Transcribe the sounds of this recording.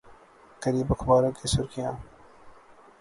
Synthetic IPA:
kɐɾiːbɐkbaːɾõːkisʊɾkijãː

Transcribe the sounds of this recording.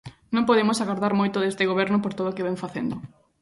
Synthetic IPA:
nõmpoð̞emʊsaɣoɾðaɾmojt̪ʊðest̪ɪɣoβɛɾnʊpoɾt̪oðokeβeɱfaθḛnd̪ʊ

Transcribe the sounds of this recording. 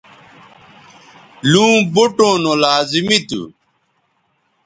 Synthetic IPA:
lũːbuʈõnolaːzimit̪ṵ

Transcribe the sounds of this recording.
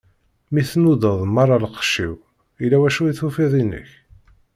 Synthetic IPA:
miθnuðəðˤmɑɾˤɑləqʃḭw | ilæwæʃuiθufiðˤinə̰ç

